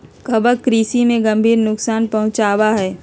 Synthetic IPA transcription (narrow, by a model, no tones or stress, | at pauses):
kɐbəkɾiːsimẽɡɐ̃mbʱiːɾnʊksaːnpɐɦʊ̃t͡ʃaːwaɦɛː